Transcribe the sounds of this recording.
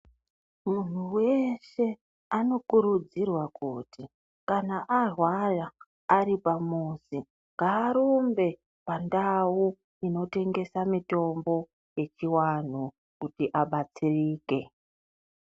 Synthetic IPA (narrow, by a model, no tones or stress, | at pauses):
mun̤uwe̞ʃe̞ | ano̞kuɾud͡zirwakuti | kanaʔarwalaː | ɾipamusi | ŋɡaːɾombe̞ | pandawu | ino̞te̞ŋɡe̞samito̞mbo̞ | je̞t͡ʃiwan̤u | kutiʔaɓat͡siriːke̞